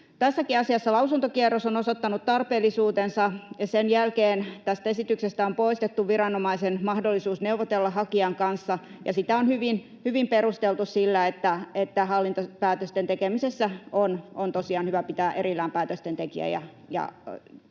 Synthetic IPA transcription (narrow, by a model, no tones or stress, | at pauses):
t̪æsːækiɑsiɑsːɑlɑusunt̪okiɛrːosonosot̪ːɑnut̪t̪ɑrpeːlːˑisuːt̪ensɑjɑsenjælkeːnt̪æst̪æesit̪yksest̪æompoist̪et̪ːuʋʋirɑnomɑisenmɑhdolːisuːsneuʋot̪elːɑhɑkiɑŋkɑnsːɑ | jɑ̰sit̪æonhyʋin | hyʋimperust̪elt̪ussilːæet̪ːæet̪ːæhɑlːint̪opæːt̪øst̪ent̪ekemisesːæonont̪osiɑːnhyʋæpit̪æːʔerilːæːmpæːt̪øst̪ent̪ekḭæ̰jɑ̰ | jɑ̰